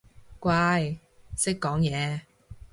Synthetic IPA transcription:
kʷaː˧j | sɪ˥kːɔː˨˥ŋjɛː˨˧

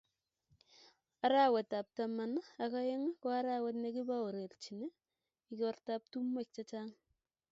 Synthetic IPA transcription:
a˨ɾa˦we˨ta˨p̚ta˨ma˨na˨ka˦je˦ŋ˦kɔ˦a˦ɾa˦wɛ˦t̬ne˦ki˦ba˦o˨ɾe˨rt͡ʃi˨ne˦ | i˦kɔ˦rta˦p̚tu˦mwe˦˨k̚t͡ʃa˦t͡ʃa˦ŋ

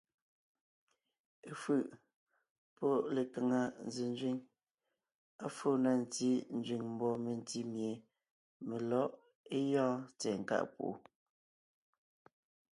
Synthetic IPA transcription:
e˦fʉ˦˨ʔ | pɔ˦le˨ka˨ŋa˨n̩˨zi˨n˦d͡ʒɥi˦ŋ | a˦fo˦˨na˦˨n˨ti˦n̩˦d͡ʒɥi˨ŋm̩˦bɔ˦me˨n˦ti˦mje˨ | me˨lɔ˦ʔ | e˦jɔ̃ː˦t͡sɛ˨ŋ̩˨ka̰˦ʔpo̰˨o̰˨

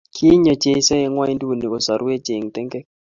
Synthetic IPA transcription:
kʰi˦ɲɔ˨d͡ʒe˦sɛ˦jɛ˦ŋwa˦i˦ndu˦˨ni˨kɔ˨sa˨ɾu˦e˦d͡ʒe˨ŋ˨tɛ˦ŋɡɛ˦k

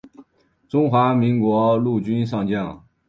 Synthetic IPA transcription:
ʈ͡ʂʊ˥ŋxwa˧˥mi˧˥ŋkwɔ˧˥lu˥˩t͡ɕy˥nʂɑ˥˧ŋt͡ɕjɑ˥˩ŋ

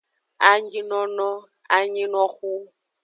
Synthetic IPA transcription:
a˦ɲi˦nɔ˦nɔ˦ | a˦ɲi˦nɔ˦xu˦

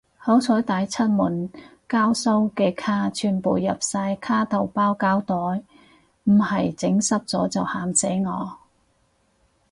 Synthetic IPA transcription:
ho˨˥wt͡sʰɔː˨˥jt̪aː˨˧jt͡sʰɐ˥t̚mu˨˩n | kaː˥wsɐ˥wkɛː˧kʰaː˥t͡ʃʰyː˨npo˨wjɐ˨p̚saː˧jkʰaː˥t̪ɐ˨˩wpaː˥wkaː˥wt̪ɔː˨˥j | m̩˨˩hɐ˨jt͡sɪ˨˥ŋsɐ˥p̚t͡sɔ̰ː˨˥t͡sɐ˨whaː˨msɛː˨˥jŋɔ̰ː˨˧

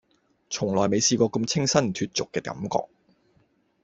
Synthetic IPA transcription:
t͡sʰʊ˨˩ŋlɔː˨˩jme˨˧jsiː˧kɔː˧kə˧mt͡sʰɪ˥ŋsɐ˥nt̪ʰyː˧t̚t͡sʊ˨kːɛː˧kɐ̰˨˧˥mkɔ̰ː˧˨k̚

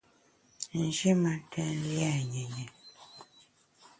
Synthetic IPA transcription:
n̩˨d͡ʒi˦ma˨˦tʰɛ̃˦n˦li˦a˦˨ɲɛ˨ɲɛ˨

